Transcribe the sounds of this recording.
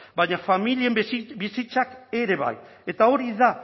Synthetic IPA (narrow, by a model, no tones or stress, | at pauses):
baɲafamilie̞mbisit͡sake̞ɾe̞βa̰j | e̞t̪ao̞ɾiða